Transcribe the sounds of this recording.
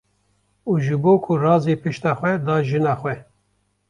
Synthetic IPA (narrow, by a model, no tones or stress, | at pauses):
uːʒɨboːkʰʊrɑːzeːpɨʃt̪ɑːxʷɛd̪ɑːʒɨnɑːxʷɛ